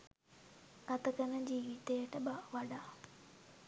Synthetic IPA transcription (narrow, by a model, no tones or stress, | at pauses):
ɐt̪ɐkɐnɐd͡ʒiːʋit̪ejɐʈəbaʋɐɖa